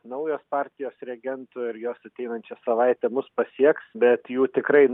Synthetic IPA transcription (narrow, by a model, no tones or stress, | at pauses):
nɐʊjoːspɑɾʲt̪ʲɪjoːsɾʲɛɡʲɛnt̪ʊɪɾjoːsɐt̪ʲɛɪnɐnʲt͡ʃʲɛsɐʋɐɪt̪ʲɛmʊspɐsʲiɛksbʲɛt̪juːt̪ʲɪkɾɐɪn